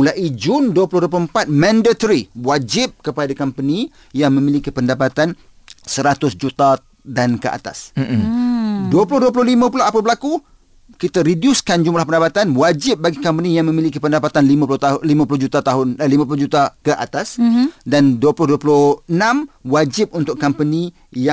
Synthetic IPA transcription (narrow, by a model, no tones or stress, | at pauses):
ulaʔid͡ʒʊnduəpulʊhduəp̬ulʊəmpat̪̚mãndat̪ɾiwad͡ʒɪp̚kəpadakampənĩ | jaŋmə̃milikipəndapat̪an | səɾat̪ʊsd͡ʒut̪a | dankəʔa̰t̪a̰s̩ | duəpulʊhduəp̬ulʊhlimãpulaapəbəlaku | kit̪aɾidjuskand͡ʒumblahpəndapat̪anwad͡ʒɪp̚baɡikampənijaŋmə̃milikipəndapat̪anlimapulʊt̪alimãpulʊhd͡ʒut̪at̪aɦʊnlimãpulʊhd͡ʒut̪akəʔa̰t̪asdanduəpulʊhduəpulʊhənãmwad͡ʒɪp̚unt̪ʊʔkːampənĩ | ja